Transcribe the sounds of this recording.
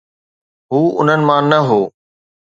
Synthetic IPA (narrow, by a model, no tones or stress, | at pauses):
ɦuːʊ̰n̤ənɪ̆mãːnɐɦoː